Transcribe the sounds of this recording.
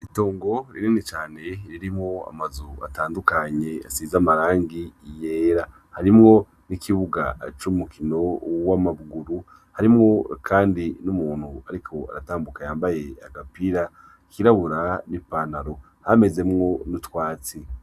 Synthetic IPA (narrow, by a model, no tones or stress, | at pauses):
ito̞ːŋɡo̞ɾininit͡ʃaːne̞ɾiɾimŋo̞a̰mazua̰taːndukaɲe̞a̰siːzamaɾaːŋɡije̞ːɾa | haɾimŋo̞ | nikʰiβuɡa̰t͡ʃumukʰino̞wamaβuɡuɾu | haɾimŋo̞kʰaːndinumuːn̥huaɾikʰo̞a̰ɾataːmbukajaːmbaje̞aɡapiɾa | kiɾaβuɾanipanaɾo̞ | hame̞ze̞mŋo̞nutwaːt͡si